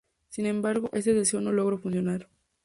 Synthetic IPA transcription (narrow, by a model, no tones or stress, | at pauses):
sinẽ̞mbaɾɣo̞ʔe̞s̬eðeseono̞loɣɾofunsjonaɾ